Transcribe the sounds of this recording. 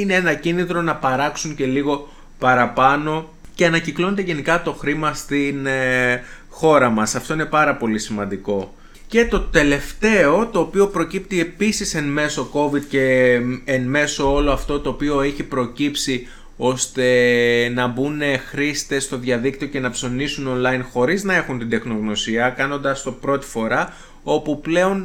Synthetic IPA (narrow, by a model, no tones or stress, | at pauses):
ineenɐcinit̪ɾo̞nɐpɐɾɐksuɲce̞liɣo̞ | pɐɾɐpɐno̞ | ce̞ɐnɐciklonet̪eʝe̞nikɐt̪o̞xɾimɐst̪in | xo̞ɾɐmɐsɐft̪o̞ine̞pɐɾɐpo̞lisimɐnd̪iko̞ | ce̞t̪o̞t̪e̞le̞ft̪e̞o̞t̪o̞ːpio̞pɾo̞cip̚t̪ie̞pisisenme̞so̞ko̞vid̪̚ce̞ː | nme̞so̞olo̞ɐft̪o̞t̪oːpio̞eçipɾo̞cipsi | o̞st̪e̞nɐbune̞xɾist̪e̞st̪o̞ðʝɐðikt̪ioce̞nɐpso̞nisuno̞nlɐinxo̞ɾiznɐe̞xunt̪id̪e̞xno̞ɣno̞siɐkɐno̞nd̪ɐst̪o̞pɾo̞t̪i̥fo̞ɾɐ | o̞puple̞o̞n